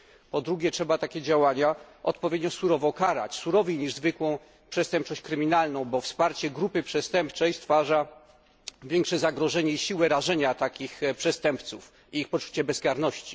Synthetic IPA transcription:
pɔd̪ɾuɡʲɛtʂɛbat̪akʲɛd͡ʑawaɲaʔɔ̰t̪̚pɔvʲed̪ɲɔsuɾɔvɔkaɾa̰t͡ɕsuɾɔvʲijɲiʐzvɘkwɔ̃w̃ | pʂɛst̪ɛmp̚t͡ʂɔɕt͡ɕkɾɘmʲinalnɔ̃w̃bɔfspaɾt͡ɕɛɡɾupɘpʂɛst̪ɛmpt͡ʂɛjst̪faʐa | vʲjɛŋkʂɛzaɡɾɔʐɛɲɛiɕiwɛɾaʐɛɲat̪akʲixpʂɛst̪ɛmpt̪suf | iixpɔt͡ʂu̥t͡ɕɛbɛzɡaɾnɔɕt͡ɕi̥

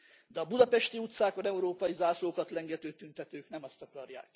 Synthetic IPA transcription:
d̪ɛɒbud̪ɒpɛʃt̪iut̪saːkonɛuɾoːpɒjizaːsloːkɒt̪lɛŋɡɛt̪øːt̪ynt̪ɛt̪øːknɛmɒst̪ɒkɒɾja̰ːk

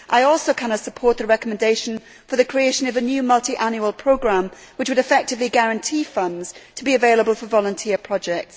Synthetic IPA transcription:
ʔaɪɔˑlˠsoʊkʰãñəsəpʰɔɹʔ̪̚ðəɹɛkəmə̃ndeɪʃə̃n | fəðəkʰɹ̥ieɪʃə̃nəvənjʉːmʌlˠtiʔãnjuəlˠpʰɹ̥oʊɡɹãm | wɪt͡ʃwəɾɨfɛk̚tɪvliɡaɹə̃ntʰiːfʌ̃ndz̥tʰəbiəveɪlˠəbəlˠfəvɒlˠə̃ntʰɪəpʰɹ̥ɒd͡ʒɛk̚ts

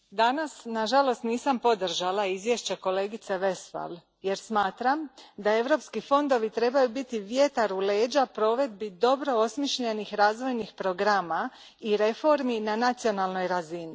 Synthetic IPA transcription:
d̪anasnaʒalo̞st̪niːsampo̞d̪r̩ʒalaizʋje̞ʃt͡ɕeko̞le̞ːɡit̪se̞ʋe̞sfa̰l | je̞ɾsmaːt̪ɾamd̪ae̞ʋɾo̞ːpskifo̞nd̪o̞ʋit̪ɾe̞bajubit̪iʋje̞t̪aɾule̞ːd͡ʑapɾo̞ːʋe̞d̪̚bid̪o̞bɾo̞osmjeʃʎe̞nixɾaːzʋo̞jnixpɾo̞ɡɾama | iɾe̞fo̞ɾminanat̪sio̞nalˠno̞jɾazini

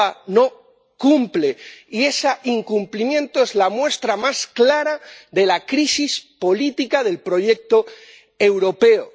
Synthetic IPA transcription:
ano̞ | kumpleie̞saʔiŋkumplimjẽ̞nt̪oe̞zlamwe̞st̪ɾamasklaɾaðe̞lakɾisispo̞lit̪ikaðe̞lpɾo̞ʝe̞k̚t̪o | e̞wɾo̞pe̞o

